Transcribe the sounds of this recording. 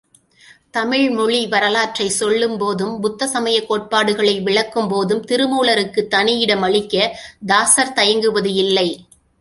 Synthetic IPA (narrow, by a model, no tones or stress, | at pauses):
t̪ɐmɪɻmɔɭiʋɐɾɐlaːʈrɐɪsɔɭːɯmpoːðɯmbʊt̪ːɐsɐmɐjɐkːoːʈ̚paːɽɯɣɐɭɐɪʋɪɭɐkːɯmpoːðɯmt̪ɪɾɯmuːɭɐɾɯkːɯt̪ːɐnɪjɪɽɐmɐɭɪkːɐd̪aːsɐɾt̪ɐjɐŋɡɯʋɐðɯɪlːɐɪ